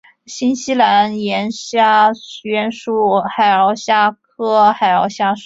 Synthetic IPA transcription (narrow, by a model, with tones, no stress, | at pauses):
ɕi˥nɕi˥la˧˥njɛ˧˥nɕja˥ɕɛ˥nʂu˥˩xa˨˩ɪə˧˥ɕja˥˩kʰɤ˥xa˨˩ɪɑ˧˥ɕja˥ʂ